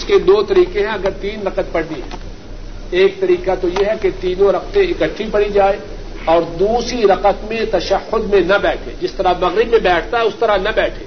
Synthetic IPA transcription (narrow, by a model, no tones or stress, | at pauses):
ʊsked̪oːt̪ɐɾiːqẽɦɛ̃ɐɡəɾt̪iːnɾɐqət̪̚pɐɽniɦɛ̰̃ː | eːk̚t̪ɐɾiːqat̪ojeɦɛket̪iːnõɾɐq̚t̪ẽɪkəʈʰːipɐɽid͡ʒaːe | ɔːɾd̪uːsɾiɾɐqət̪mẽt̪ɐʃəhːʊd̪mẽnɐbɛːʈʰḛ̃d͡ʒɪst̪ɐɾamɐɣɾɪbmẽbɛːʈʰt̪aɦɛʊst̪ɐɾanɐbɛːʈʰeː